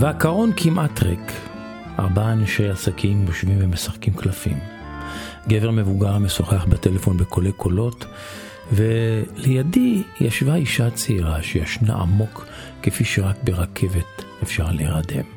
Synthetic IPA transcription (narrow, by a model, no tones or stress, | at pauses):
veakaʁo̞nkʰimʔatʁek | ʔa̰ʁbaanaʃejasakʰimjoʃvimvemesaχkimklafḭm | ɡeve̞ʁme̞vuɡaʁmesoχeaχbatele̞fo̞nbekʰo̞lekʰo̞lo̞t | velejadijaʃvaiʃat͡seiʁaʃejaʃna̰ʔa̰mo̞kː | efiʃeʁakbe̞ʁakʰe̞ve̞t | efʃaʁaleeʁade̞̰m